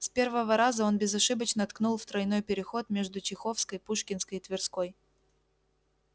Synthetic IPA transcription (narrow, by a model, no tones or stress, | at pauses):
spʲe̞rvəvəɾazəo̞nbʲɪzɐʂɨbət͡ɕnət̪knulˠft̪ɾɐjno̞jpʲɪɾʲɪxo̞t̪mʲeʐd̪ʊt͡ɕɪxo̞fskəjpuʂkʲɪnskəjɪt̪vʲɪrsko̞j